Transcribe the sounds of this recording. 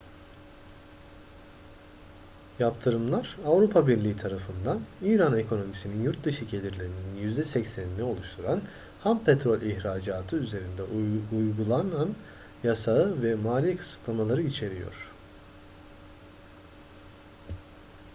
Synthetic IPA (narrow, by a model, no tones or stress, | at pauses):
japt̪ʰɯɾɯmlˠaɾavɾupʰabiɾlʲiːit̪ʰaɾafɯnd̪aniːɾane̞kʰo̞no̞misininjuɾt̪̚d̪ɯʃɯɟe̞lʲiɾlʲeɾinininjyzd̪ɛsɛcsæninʲːio̞lˠuʃt̪ʰuɾan | hampʰet̪ɾo̞lʲʔiçɾaːd͡ʒaːt̪ʰɯyze̞ɾind̪ɛʔujɡulˠanan | jasaɯvɛmaːlʲijekʰɯ̥sɯ̥t̪ʰlˠamalˠaɾɯit͡ʃʰe̞ɾḭjo̰ɾ̝̥